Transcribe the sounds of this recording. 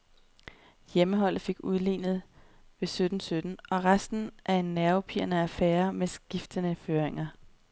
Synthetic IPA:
jeməɦɒ̽l̰ð̩ˠfe̝ɡ̥uðˠlḭːnð̞̩ˠ | ʋe̝sød̥n̩sød̥n̩ʔɒ̽ʁasd̥n̩ʔæɐe̝nːæɐʊpʰiɐnəæfeːɐmesɡ̥ifd̥ənəføːɐʁeŋɐ

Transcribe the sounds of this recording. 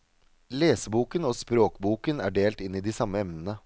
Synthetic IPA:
leːsəbuːkənoːspɾoːkbuːkənæːɖeːlt̪ɪnːɪːd̪isɑməɛmnənə

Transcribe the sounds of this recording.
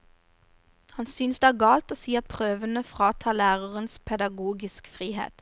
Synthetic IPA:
hɑnsʏnsd̪eæːɡɑːlt̪oːsiːɑt̪̚pʰʁøːʋənəfʁɑːt̪ʰɑːlæːʁəʁənspʰɛd̪ɑɡuːɡɪskfʁiːhḛːt̪

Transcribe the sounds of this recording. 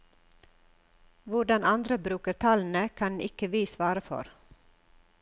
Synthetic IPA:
ʋʊɖɑnɑnd̪ɾəbɾʉːkəɾt̪ʰɑln̩əkʰɑnɪkəʋiːsʋɑːɾəfɔ̰ɾ

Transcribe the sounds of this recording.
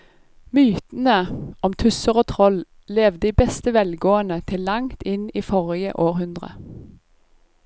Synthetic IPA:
myːt̪n̩əɔmt̪ʰʉsəʁoːt̪ʰʁɔl | leːʋ̪d̪iːbɛst̪əʋɛlɡoːənət̪ʰɪlːɑŋt̪ɪniːfɔʁɪjə̰ʔoːʁhʉnd̪ʁə̰

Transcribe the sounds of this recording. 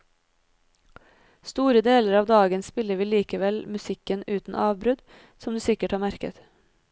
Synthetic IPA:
st̪uːɾəd̪eːləɾɑːʋd̪ɑːɡənspɪləʋiːliːkəʋɛlmʉsɪkənʉːt̪n̩ʔɑːʋbɾʉd̪ | sɔmd̪ʉːsɪkəʈhɑːɾmæɾkə̰t̪

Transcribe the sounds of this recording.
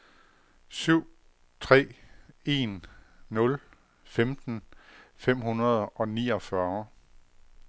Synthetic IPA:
syʊ̰ | t͡sʰʁɛ̰ːe̝nːɔ̽l | femd̥n̩fem̰hunɐð̞ˠɒ̽niːɒ̽fɶɐ

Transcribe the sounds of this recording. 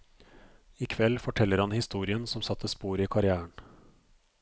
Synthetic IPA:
ɪkʰʋɛlfɔʈʰɛlːəɾhɑnhɪst̪uːɾɪənsɔmsɑt̪ʰːəspuːɾiːkʰɑɾɪæːəɳ

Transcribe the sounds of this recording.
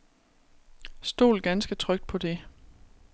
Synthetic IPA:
sd̥o̝̰ːlɡ̥ænsɡ̥ət͡sʰʁœɡ̥d̥̚pʰɒ̽d̥e̝

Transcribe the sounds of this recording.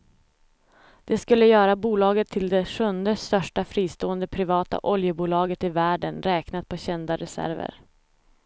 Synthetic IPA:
d̪̥ɛskɵlːəjœːɾabuːlɑːɡət̪ʰːɪld̪ɛɧɵnd̪əst̪œʂʈafɾiːst̪oːənd̪əpʰɾɪvɑːt̪a̰ʔɔljəbuːlɑːɡət̪ɪvæːɖənɾɛːknat̪̚pʰɔɕɛnd̪aɾɛsæ̰ɾvə̰ɾ

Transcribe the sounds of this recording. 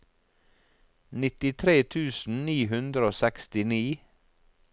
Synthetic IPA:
nɪt̪ɪt̪ʰɾeːt̪ʰʉːsn̩niːɦʉnd̪ɾəoːsɛkst̪ɪniː

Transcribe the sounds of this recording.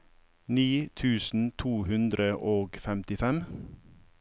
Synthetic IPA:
niːt̪ʰʉːsn̩t̪ʰuːhʉnd̪ɾəʔoːɡfɛmt̪ɪfɛm

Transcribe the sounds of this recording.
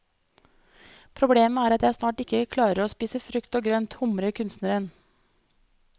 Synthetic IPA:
pʰɾʊbleːməæːɾɑt̪jæɪsnɑːʈɪkəkʰlɑːɾəɾoːspiːsəfɾʉkt̪oːɡɾœnt̪hʊmɾəkʰʉnst̪nəɾən

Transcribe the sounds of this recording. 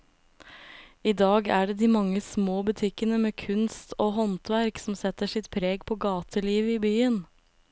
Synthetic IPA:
iːd̪ɑːɡæːɖeːd̪iːmɑŋːəsmoːbʉt̪ʰɪkənəmeːkʰʉnst̪oːɦɔnt̪ʋæɾksɔmsɛt̪əʂɪt̪pʰɾeːɡpʰoːɡɑːt̪ʰəliːʋiːbyːən

